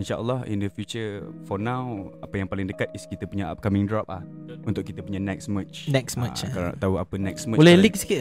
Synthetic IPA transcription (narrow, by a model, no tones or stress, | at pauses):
inʃaʔə̰lːɔhḭndəfjut͡ʃəfɔnãwapəjaŋpalɪŋdəkat̪̚ɪskit̪əpuɲa̰kamɪŋdɾɔp̚la̰hunt̪ʊʔkːit̪apuɲanɛk̚smət͡ʃnɛksmət͡ʃka̰t̪auapənɛksməbolɛlik̚si̥ki